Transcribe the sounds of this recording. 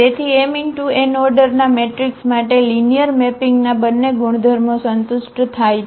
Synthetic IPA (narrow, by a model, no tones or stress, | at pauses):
et̪ʰiemiŋɡʈuenɔɾɖəɾnameʈɾiksmaʈelinijəɾmepiŋɡnabənːeɡuɽ̃d̪ʱəɾmosənt̪ʊʃʈt̪ʰaj